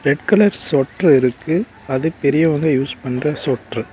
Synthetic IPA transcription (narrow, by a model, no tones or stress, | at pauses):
ɾɛɖkɯlɐɾsɔʈrɯɪɾɯkːɯ | ɐðɯpɛɾɪjɐʋɐŋɡɐjuːspɐnrɐsɔːʈrɯ